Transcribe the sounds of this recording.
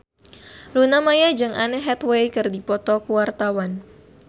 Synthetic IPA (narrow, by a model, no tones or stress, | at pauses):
lunamajad͡ʒɨŋʔanɛɦɛt̪wejkɨrdipɔt̪ɔkuwart̪awan